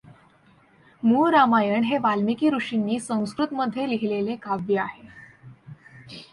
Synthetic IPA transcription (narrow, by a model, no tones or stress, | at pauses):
muɾamajəɳɦeʋalmikiːɾuʂinːiːsə̃w̃skɾut̪məd̪ʱːjeliɦilelekaʋjeaɦe